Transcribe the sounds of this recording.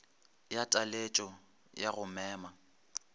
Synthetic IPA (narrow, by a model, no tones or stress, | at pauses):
jatʼalet͡ʃʼɔ | jaɣʊmɛːma